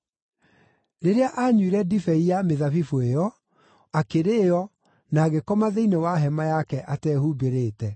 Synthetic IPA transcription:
ɾeɾeaʔaɲwiɾɛdifɛiameðavifuejɔ | akeɾejɔ | naːɣekɔmaðeinewaɦɛmajakɛʔatɛhubeɾeːtɛ

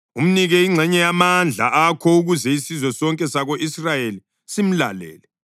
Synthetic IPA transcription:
um̩niɣɛiŋ͡ǀʱɛɲɛjamand͡ɮʱa̰ʔakʰɔuɣuzɛisizwɛsɔŋkʼɛsaɣoʔisrajeli | sim̩la̰lɛ̰ːlɛ

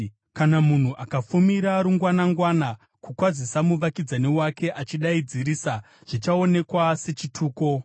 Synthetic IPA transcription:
kanamun̤uʔakafumiɾaɾuŋɡwanaŋɡwana | kukwad͡zisamuʋakid͡zanewake̞ʔat͡ʃiɗaid͡ziɾisa | ʐ̥it͡ʃao̞ne̞kwase̞t͡ʃitʰuːko̞

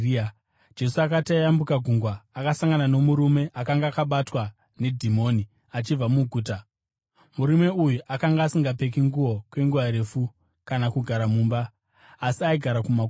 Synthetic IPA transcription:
d͡ʒe̞suakatiajambukaɡʱuŋɡwaːkasaŋɡanano̞muɾume̞ʔakaŋɡaːkaɓatwa | ne̞dʱimo̞ːni | at͡ʃib͡vamuɡʱuːt̬a | muɾime̞ujuʔakaŋɡaːsiŋɡap̬e̞k̬iŋɡuwo̞kwe̞ŋɡuʋaɾe̞fu | kanakuɡʱaɾamuːmbaː | siaiɡʱaɾakuma

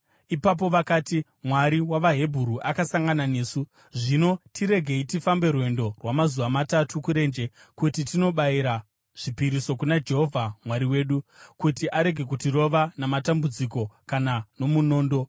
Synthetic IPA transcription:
ipap̬o̞ʋakaːti | mwaɾiwaʋaɦe̞bʱuɾuʔakasaŋɡananeːsu | ʐino̞tiɾe̞ɡʱe̞itifambe̞rwe̞ndo̞rwamazuʋamatatukuɾe̞ːnd͡ʒe̞ | kutitino̞ɓaiɾa | ʐ̥ipiɾiso̞kunad͡ʒe̞ɦo̞vʱamwaɾiwe̞ːɗukutiʔaɾe̞ɡʱe̞kutiro̞ʋanamatambud͡ziko̞kanano̞muno̞ːndo̞

